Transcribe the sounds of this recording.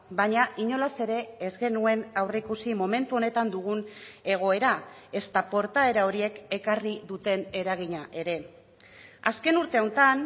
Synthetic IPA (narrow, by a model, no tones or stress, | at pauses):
baɲaʔiɲo̞lase̞ɾe̞ːzɣe̞nue̞nawre̞ikusimo̞me̞nt̪uo̞ne̞t̪and̪uɣ̞une̞ɣ̞o̞e̞ɾa | e̞st̪apo̞ɾt̪ae̞ɾao̞ɾie̞ke̞kariðut̪e̞ne̞ɾaɣ̞iɲaʔe̞ɾe̞ | aske̞nuɾt̪e̞ownt̪an